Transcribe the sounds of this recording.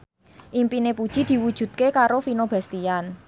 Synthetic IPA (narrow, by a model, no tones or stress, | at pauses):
ʔimpinepud̥ʒ̥i̤d̪̥i̤wud̥ʒ̥ṳt̪̚kekaɾofinob̥ast̪ian